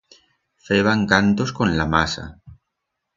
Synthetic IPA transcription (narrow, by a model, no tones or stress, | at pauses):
feβaŋkant̪oskonlamasa̰